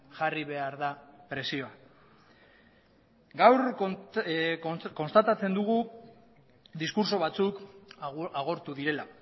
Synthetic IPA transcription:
ʝariβ̞e̞aɾðapɾe̞sio̞a | ɡawɾ | ko̞nst̪at̪at͡se̞nd̪uɣu | d̪iskuɾso̞βat͡suk | aɣ̞o̞ɾt̪uðiɾe̞la

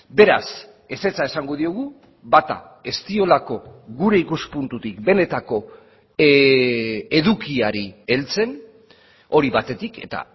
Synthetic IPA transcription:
be̞ɾas | e̞se̞t͡sae̞saŋɡoðio̞ɣ̞u | bat̪a̰ | e̞st̪io̞lako̞ɣuɾe̞ikuspunt̪ut̪ikbe̞ne̞t̪ako̞ | e̞ðukiaɾie̞lt͡se̞n | o̞ɾiβat̪e̞t̪ike̞̰t̪a̰

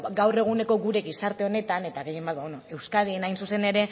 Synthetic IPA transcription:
ɡawre̞ɣ̞une̞ko̞ɣuɾe̞ɣisaɾt̪e̞o̞ne̞t̪ane̞t̪aɣejimbat̪bawonoe̞wskaðinajnsuse̞ne̞ɾe̞

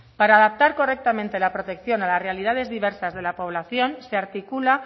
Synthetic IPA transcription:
paɾaːðap̚t̪aɾko̞rek̚t̪amẽnt̪e̞lapɾo̞t̪e̞kθjo̞nalasrealið̞að̞e̞zðiβe̞ɾsazð̞e̞lapo̞βlaθjo̞nseaɾt̪ikula

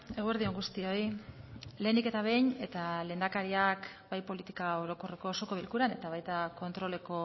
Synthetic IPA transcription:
e̞ɣue̞ɾðio̞ŋɡust̪io̞j | le̞ːnd̪ike̞t̪aβe̞jɲe̞t̪aleːnd̪akaɾiak | bajpo̞lit̪ikao̞ɾo̞ko̞re̞ko̞ːso̞ko̞βilkuɾane̞t̪aβ̞ajt̪ako̞nt̪ɾo̞le̞ko̞

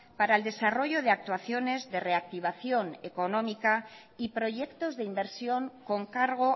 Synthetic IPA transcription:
paɾaeld̪e̞saro̞ʝoð̞e̞ak̚t̪waθjo̞ne̞zðe̞re̞ak̚t̪iβ̞aθjo̞neko̞nõ̞mika | ipɾo̞ʝe̞kt̪o̞zðeimbe̞ɾsjo̞ŋko̞ŋkaɾɣ̞o̞

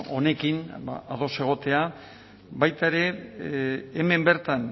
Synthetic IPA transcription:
o̞ne̞kinba̰aðo̞se̞ɣ̞o̞t̪e̞a | bajt̪aeɾe̞ː | me̞mbe̞ɾt̪an

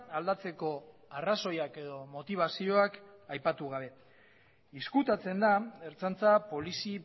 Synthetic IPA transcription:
ald̪at͡se̞ko̞araso̞jake̞ð̞o̞mo̞t̪iβ̞asio̞akajpat̪uɣ̞aβ̞e̞ | iskut̪at͡se̞nd̪aeɾt͡sant͡sapo̞lisi

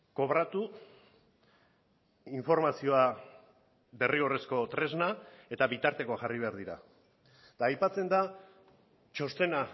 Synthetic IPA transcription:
ko̞βɾat̪u | iɱfo̞ɾmasio̞a | be̞rio̞re̞sko̞t̪ɾe̞znae̞t̪aβit̪aɾt̪e̞ko̞axariβ̞e̞aɾðiɾa̰ | d̪aːjpat͡se̞nd̪a | t͡ʃo̞st̪e̞na

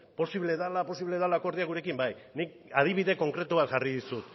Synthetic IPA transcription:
po̞siβle̞ðalapo̞siβle̞ðalako̞ɾð̞iaɣuɾe̞kimbajnik̚ | að̞iβiðe̞ko̞ŋkɾe̞t̪uβat̪ʝariðisut̪

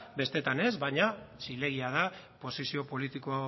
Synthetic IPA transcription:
be̞st̪e̞t̪ane̞zbajɲasile̞ɣ̞iað̞a | po̞sisio̞po̞lit̪ikoa

